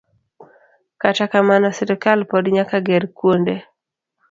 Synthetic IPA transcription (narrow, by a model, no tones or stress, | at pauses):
katakamanɔsɛɾikalpɔdɲakaɡɛɾkwonde